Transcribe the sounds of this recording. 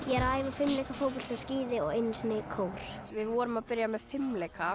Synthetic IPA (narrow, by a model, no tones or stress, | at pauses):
jɛɾaːjvafɪmlejkafowpɔlt̪fɛsciːðɪɔɣejnsnɪkʰoːwɾ̥vɪðvɔːɾʏmaðpɪɾjamɛðfɪmlejka